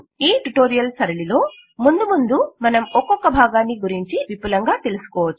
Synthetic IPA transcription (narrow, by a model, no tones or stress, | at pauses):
iːʈuʈo̞ːɾijɐlsɐɾɐɭilo̞ː | mund̪umund̪umɐnɐmɔkːɔkːɐbʱaːɡaːnːiɡuɾiɲt͡ʃiʋipulɐŋɡaːt̪e̞lusu̥kɔːʋɐt͡ʃːu̥